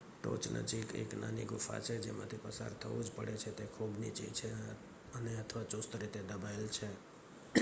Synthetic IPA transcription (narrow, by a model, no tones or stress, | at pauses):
ʈo̰t͡ʃnʔə̰d͡ʒikḛkna̰niɡʊfʰa̰t͡ʃʰɛd͡ʒemã̰t̪ʰipəsa̰ɾt̪ʰəṵd͡ʒpə̰ɽet͡ʃʰɛt̪ekʰubnḭt͡ʃḭt͡ʃʰɛ | əneət̪ʰʋat͡ʃost̪ɾit̪ed̪əbaɪlt͡ʃʰɛ